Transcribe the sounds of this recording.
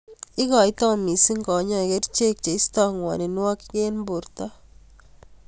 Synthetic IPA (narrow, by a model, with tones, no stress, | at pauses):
i˦kɔ˨i˦tɔ˦mi˨si˦ŋɡɔ˨˦ɲɔ˦i˨ke˦tt͡ʃe˦k̚t͡ʃe˨i˦stɔ˦ŋwɔ̰˨ni˨nwɔ˦kke˦nmbu˨ɾtɔ˦